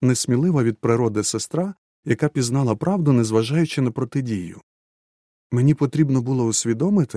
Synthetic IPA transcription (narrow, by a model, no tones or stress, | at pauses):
nesʲmʲilˠɪʋɐʋʲid̪̚pɾɪɾɔd̪ɪsest̪ɾɑ | jɐkɑpʲiznɑlˠɐpɾʔɑwd̪ʊnezʋɐʒɑjʊt͡ʃɪnɐpɾɔt̪ɪdʲijʊ̰ | menʲipɔt̪ɾʲibnɔbʊlˠɔʊsʲʋʲid̪ɔmɪt̪ɪ